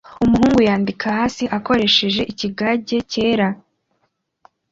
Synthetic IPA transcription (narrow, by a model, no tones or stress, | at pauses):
umuɦuːŋɡujaːndikahaːsiʔako̞ɾe̞ʃe̞ʒe̞ʔiciɡaɟe̞ce̞ːɾa